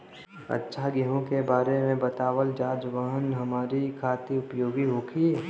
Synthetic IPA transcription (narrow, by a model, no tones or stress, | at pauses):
ə̰tːʃʰaɡiɦõkebaːɾemẽbət̪aːʋəld͡ʒaːd͡ʒʋəɦənɦɐmaːɾikʰaːt̪iʊpjoːɡiɦoːkʰi